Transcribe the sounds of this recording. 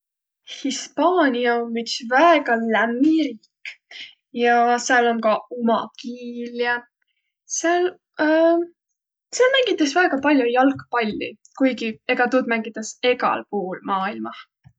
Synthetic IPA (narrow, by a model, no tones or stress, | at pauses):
hispɑːnʲiɑomːyt̪svæeɡ̥ɑlæmːiɾiːkː | jɑseɑlomkɑumɑ̰kiːljɑ | seɑl | seɑlmæŋɡ̥it̪ːˑɑsvæeɡ̥ɑpɑlʲjujɑlkpɑlʲːḭ | kujɡie̞ɡ̥ɑt̪uːd̪mæŋɡ̥it̪ːˑɑse̞ɡɑ̰lpuːulmɑːilmɑh